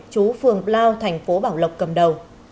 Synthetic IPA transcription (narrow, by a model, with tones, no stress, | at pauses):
t͡ɕu˨˦fɨ˨˩əŋplaː˧wt̪ʰɛ˨˩jŋ̟fo˨˦ɓaː˧˩wlə˨˩wk͡p̚kə˨˩mɗə˨˩w